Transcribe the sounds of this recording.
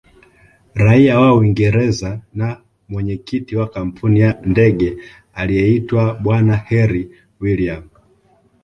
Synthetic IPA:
ɾaiawawiŋɡɛɾɛzana | mwɛɲɛkitiwakam̩pʰunijandɛɠɛ | alijɛitwaɓwanahɛɾi | wiliam

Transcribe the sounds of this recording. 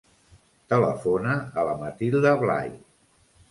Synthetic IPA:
t̪ələ̰fonəələmət̪ilˠd̪əβla̰j

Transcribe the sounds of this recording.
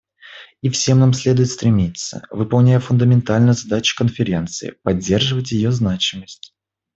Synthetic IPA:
ifsʲe̞mnamsʲlʲe̞d̪ʊjɪt̪st̪ɾʲɪmʲit̪sə̰vɨpɐlˠnʲæjəfʊnd̪əmʲɪnt̪alʲnɨjzɐd̪at͡ɕɪ̥kənfʲɪɾʲe̞nt̪sɨɪ̰pɐdʲːe̞rʐɨvət̬ʲjɪjoznat͡ɕɪməsʲtʲ

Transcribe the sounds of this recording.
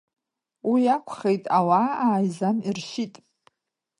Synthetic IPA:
wijakʷʰχejtʼawaaːjzanirʃitʼ

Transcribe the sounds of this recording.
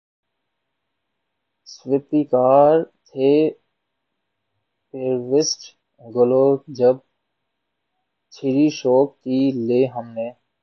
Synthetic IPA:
sʋɪp̪ikaːɾt̪ʰeː | peːɾʋɪsʈ | ɡəloːd͡ʒəb̚ | t͡ʃʰɪɾiʃɔːkkiːleːɦəmneː

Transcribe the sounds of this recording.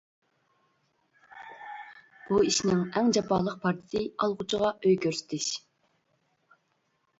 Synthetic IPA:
b̥uiʃnɪŋɛŋd͡ʒɑpʰɑːlˠəq̚pʰɑɾt̪ʰɪ̥sɨɑlˠʁʊt͡ʃʰəʁɑʔøjkʲøɾsɪ̥t̪ʰɪʃ

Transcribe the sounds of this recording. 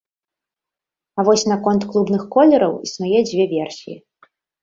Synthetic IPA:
avɔsʲnakɔnt̪klˠubnɨxkɔlʲɛɾɐ̰wḭsmajɛd͡zʲvʲɛvʲɛrsʲijḭ

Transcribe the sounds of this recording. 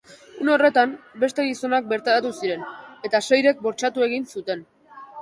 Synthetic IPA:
uno̞re̞t̪ambe̞st̪e̞ɣiso̞nak̚be̞ɾt̪aɾat̪usiɾe̞ne̞t̪ase̞jɾe̞k̚bo̞ɾt͡ʃat̪ue̞ɣinsut̪e̞n

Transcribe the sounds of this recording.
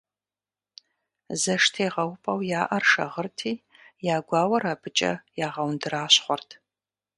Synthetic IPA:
zɐʂtʰeːʁɐwpʼɐwjaːʔɐrʂɐ̰ʁərtʰiː | jaːɡʷaːwɐraːbɨt͡ʃʼɐ̰jaːʁɐwndɨɾaːɕχʷɔrtʰ

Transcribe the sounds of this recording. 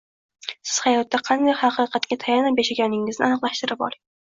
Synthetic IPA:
sɪz̥hɑjɒt̪ːaqʰɑnd̪ajhɑqʰɨqʰɑt̪kʲat̪ʰajanabeʃaɡʲanɪŋɪznɪ̰anɨqlˠaʃt̪ɪɾɪpɒ̰ɾɪŋ

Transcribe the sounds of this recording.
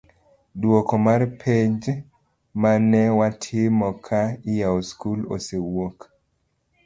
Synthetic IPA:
dwɔkɔmarpʰed͡ʒ | manɛwatʰɪmɔkʰaɪjaoskulo̰sewok

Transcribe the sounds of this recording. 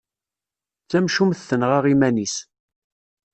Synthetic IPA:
t͡sːæmʃumθθənʁaʁimænis

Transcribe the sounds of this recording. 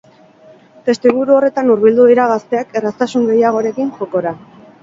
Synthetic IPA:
t̪e̞st̪iβuɾuo̞re̞t̪anuɾβild̪uðiɾaɣ̞ast̪e̞ake̞rast̪asuŋɡe̞jaɣ̞o̞ɾe̞kinʝo̞ko̞ɾa

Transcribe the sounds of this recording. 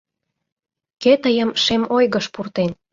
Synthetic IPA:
ket̪əjəmʃemojɣəʃpurt̪en

